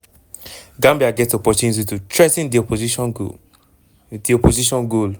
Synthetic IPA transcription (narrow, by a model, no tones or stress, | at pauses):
ɡãmbiaɡɛtɔpɔtũnis̬itutʰɹɛsĩndiɔpozi | diɔpoziʃɔ̃nɡol